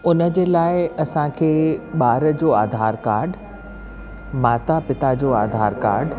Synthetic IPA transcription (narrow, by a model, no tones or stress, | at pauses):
ʊnə̆d͡ʑeːlaːɪɐsãkʰeːɓaːɾəd͡ʑoːaːd̪ʱaːɾkaːɾɖ | maːt̪apɪt̪ad͡ʑoːa̰ːd̪ʱaːɾka̰ːɾɖ